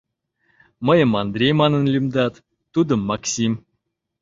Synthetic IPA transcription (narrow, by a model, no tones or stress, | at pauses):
məjə̆mɑnd̪ɾʲejmɑnənlʲymd̪ɑt̪ː | ud̪əmːɑksʲim